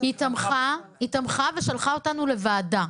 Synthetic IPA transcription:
it̪amχaitamχave̞ʃalχao̞tanule̞vaːda

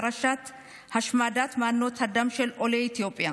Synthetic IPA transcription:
ɾɐʃːaːt̪ː | hɐʃmaːd̪aːt̪maːnːoːt̪ʰɐd̪ɐmʃɛlʔɔle̞ːɪt̪ɪjo̞ːpʼːɪja

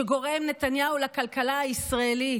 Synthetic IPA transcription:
eɡo̞ʁemne̞t̪anjaulakalkalaaisʁaeli

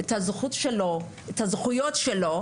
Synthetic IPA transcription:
ethazχutʃelo | ethazχujotʃelo

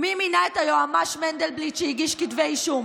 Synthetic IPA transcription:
miminaet̪ajoamaʃmend̪elblitʃehiɡiʃkitveiʃum

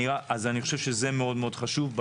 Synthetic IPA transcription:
iʁaʔazaniχoʃevʃeze̞meo̞dmeo̞dχaʃuvb

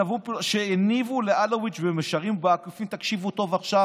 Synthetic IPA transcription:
avupʃeenivuleʔalowit͡ʃvemeʃaʁimbeakufimt̪akʃivut̪o̞vaχʃa

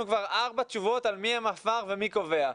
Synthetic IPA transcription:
ukvaʁaʁbat͡ʃuvo̞t̪almiamafaʁvemiko̞ve̞a

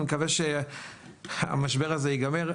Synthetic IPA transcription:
mekaveʃe | a̰maʃbeʁazeiɡameʁ

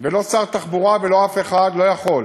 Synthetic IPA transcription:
velo̞saʁt̪aχbuʁavelo̞afeχad̪lo̞jaχo̞l

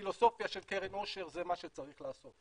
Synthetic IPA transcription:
ilo̞so̞fjaʃelkeʁenoʃe̞ʁzemaʃet͡saʁiχlaːso̞t̪

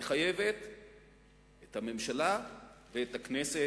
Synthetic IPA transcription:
eχajeve̞t̪ | ethame̞mʃalaveet̪aknese

